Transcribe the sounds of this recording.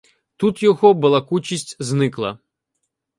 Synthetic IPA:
t̪ut̪jɔɦɔbɐlˠɐkut͡ʃʲisʲtʲznɪklˠɐ̰

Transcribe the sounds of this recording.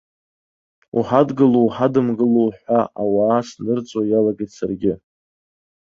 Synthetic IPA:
ṵħadɡɨlowħadɨmɡɨlowħʷaʔawaːsnɨrt͡sʼwajalaɡajtsa̰rɡʲɪ

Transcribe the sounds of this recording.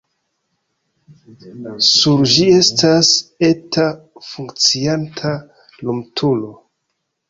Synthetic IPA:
suɾd͡ʒie̞stase̞tafuŋkt͡siantʰa | lumtʰulo̞

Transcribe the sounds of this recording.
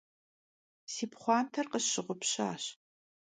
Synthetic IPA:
siːpχʷɑːntʰɐrqəɕɪʁʷʊpɕa̰ːɕ

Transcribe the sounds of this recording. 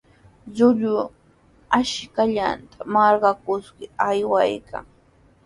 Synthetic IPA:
ʎʊʎʊ | aʃkaʎa̰nt̪ʰḁmɑɾɢɑkʊskɪajwajkʰa̰ŋ

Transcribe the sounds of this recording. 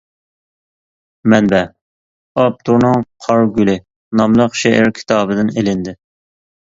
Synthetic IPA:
mɛnbɛ | ɑp̚t̪ʰuɾnɨŋqʰɑɾɡʲylɪ | nɑmlˠəqʃeʔæɾkʲʰi̥t̪ʰɑːbɨd̪ɪnelɪnd̪ɪ

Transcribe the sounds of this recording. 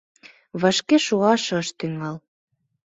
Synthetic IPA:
βɑʃkeʃuɑʃɤ̆əʃt̪yŋɑl

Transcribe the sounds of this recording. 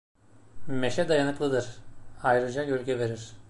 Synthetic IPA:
meʃɛd̪ajanɯklˠɯd̪ɯɾ̥ajɾɯd͡ʒajølʲcʰɛve̞ɾiɾ̥

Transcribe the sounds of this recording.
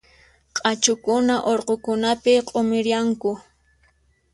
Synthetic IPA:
qʼat͡ʃʊkʊnaʔoɾqokʊnapɪqʼomɪɾjaŋkʊ

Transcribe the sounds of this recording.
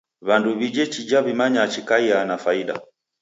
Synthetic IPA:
βanduβid͡ʒɛt͡ʃid͡ʒaβimaɲat͡ʃikaianafaiɗa̰

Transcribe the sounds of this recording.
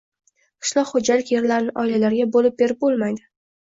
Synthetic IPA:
qʰɨ̥ʃlˠɒqχod͡ʒalɪkʲje̞ɾlaɾnɪʔɒjlalaɾɡʲabolɪp̚be̞ɾɪp̚bolˠmajd̪ɪ

